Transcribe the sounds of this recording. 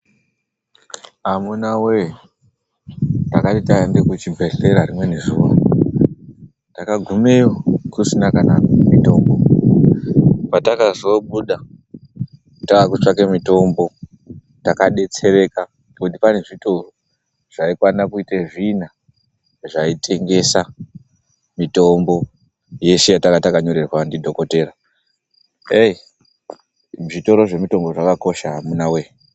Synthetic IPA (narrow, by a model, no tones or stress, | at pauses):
amunawe | takatitaendekut͡ʃibʱe̞ɬe̞ɾaɾimwe̞ne̞zuʋo̰ | takaɡʱumeokusinakanamito̞mbo̞ | patakazo̞ɓuɗa | takakut͡ʂakemito̞mbo̞ | takaɗe̞t͡se̞re̞ka | kutipane̞ʐito̞o | ʐ̥aikwanakuiteʐina | ʐaitʰe̞ŋɡe̞sa | mito̞mbo̞ | je̞ʃejatakatakaɲo̞ɾe̞rwandidʱo̞ko̞te̞ra | ei | ʐito̞ɾo̞ʐe̞mito̞mbo̞ʐakako̞ʃaamunawe̞